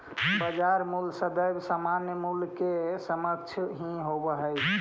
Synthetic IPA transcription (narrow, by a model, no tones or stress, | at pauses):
bəd͡ʒaɾmulsəd̪əjbsamanjəmulkesəmək̚t͡ʃʰɦĩɦobəɦəjt͡ʃʰ